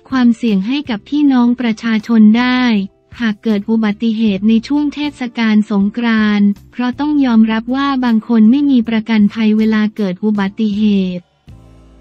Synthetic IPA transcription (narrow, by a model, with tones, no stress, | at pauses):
kʰwaː˧msi˨˩əŋɦa˥˩jka˨˩p̚ʰiː˥˩nɔː˦˥ŋpɾa˧t͡ɕʰaː˧t͡ɕʰo˧ndaː˥˩j | haː˨˩kːɤː˨˩t̪̚ʔu˨˩ba˨˩t̪ːi˨˩ɦeː˨˩t̪̚na˧jt͡ɕʰu˥˩əŋt̪ʰeː˥˩t̪̚sa˧kaː˧nso˩˦ŋkʰɾaː˧npʰɾɔ˦˥t̪ɔ˥˩ŋjɔː˧mɾa˦˥p̚waː˥˩baː˧ŋkʰo˧nma˥˩jmiː˧pɾa˧ka˧np̪ʰa˧jweː˧laː˧kɤː˨˩t̪̚ʔu˨˩ba˨˩t̪ːi˨˩ɦeː˨˩t̪̚